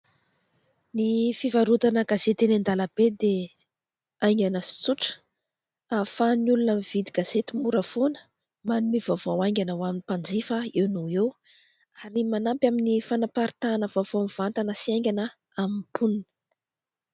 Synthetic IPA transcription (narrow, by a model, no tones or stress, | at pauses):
nifivaɾut̪anəɡazet̪enand̪alabed̪e | ajŋɡʲanəsi̥t͡suʈ͡ʂə̥ | afanulunamivid̪iɡ̥az̥et̪imuɾəfonə̥ | manumivovowajŋɡʲanawaminipand͡zifəewnuew | aɾimanampʲaminifanapaɾit̪anəvavoamiv̥ant̪anəsiajŋɡʲanə | amipuninə̥